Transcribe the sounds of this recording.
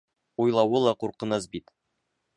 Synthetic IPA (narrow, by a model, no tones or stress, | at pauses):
ujlˠɑwɤlˠɑquɾqɤ̆nɤsbit̪